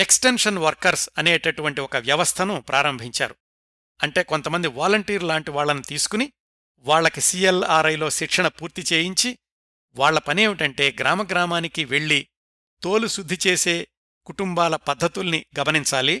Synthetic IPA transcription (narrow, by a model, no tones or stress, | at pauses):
eksʈenʂɐnʋɐɾkɐɾsɐneːʈɐʈuʋɐɳʈiɔkɐʋjɐʋɐst̪ʰɐnupɾʔaːɾɐmbʱiɲt͡ʃa̰ːɾu | ɐɳʈe̞ːko̞nt̪ɐmɐnd̪iʋaːlɐɳʈiːɾlaːɳʈiʋaːɭːɐnut̪iːsu̥kuni | ʋaːɭːɐkisielaːɾɐjlo̞ːʃikʂɐɳɐpuːɾt̪it͡ʃeːjiɲt͡ʃi | ʋaːɭːɐpɐnieːʋiʈɐɳʈe̞ːɡɾaːmɐɡɾaːmaːnikiʋe̞ɭːi | t̪o̞ːlusud̪ʱːit͡ʃe̞ːse̞ː | kuʈumbaːlɐpɐd̪ʱːɐt̪ulɐniɡɐmɐniɲt͡ʃaːli